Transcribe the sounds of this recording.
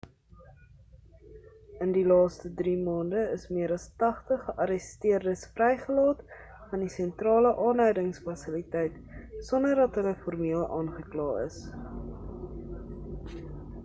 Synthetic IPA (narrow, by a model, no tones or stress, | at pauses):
əndilɑːstədrimɑːndəəsmiəɾɐstɐχtəχəʔɐɾəstiərdəsfrɛjχəlɑːt | fɐndisɛntrɑːləʔɑːnɦœɥdəŋsfɐsəlitɛjt | sɔndərdɐtɦələfɔrmiəlˠɑːnχəklɑːə̰s